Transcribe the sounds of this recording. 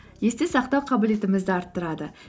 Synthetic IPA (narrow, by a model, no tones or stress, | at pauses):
je̞st̪esɑqt̪ɑwqʰɑbɪle̞t̪ɪmɪzd̪ɪɑɾt̪ːəɾɑd̪ə